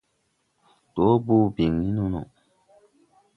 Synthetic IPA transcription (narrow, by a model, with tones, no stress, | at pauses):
to˨˦buː˦˨bi˨ŋni˦nu˦no̰˨